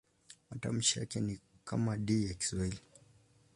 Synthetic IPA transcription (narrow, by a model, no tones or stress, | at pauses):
mata̰m̩ʃija̰kɛni | kamaɗijaki̥swahili